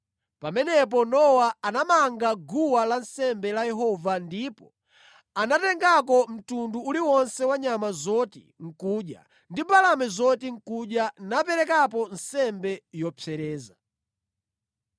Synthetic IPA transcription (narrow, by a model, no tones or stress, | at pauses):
pamɛnɛp̬ɔnɔwaanamaŋɡaɡuwalansɛmbɛlajɛɦɔvandipɔ | anatɛŋɡak̬ɔm̩tunduːliwɔnsɛwaɲamazɔtḭ | ŋ̩kuːɗja̰ | ndibalamɛzɔtiŋ̩kuɗjanapɛɾɛkapɔnsɛmbɛjɔpʰɛɾɛːza